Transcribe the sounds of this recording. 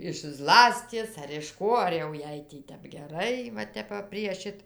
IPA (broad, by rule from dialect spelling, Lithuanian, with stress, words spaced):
ɪʃ ˈzlˠɑːsʲtʲiɛs ɐr ɪʃ ˈkoː ɐr jɛʊ ˈjɛɪ ˈtʲɛp ɡʲɛˈrɐɪ ʋɐ ˈtʲɛp ʋɐ pʲrʲiɛ ˈʃʲɪt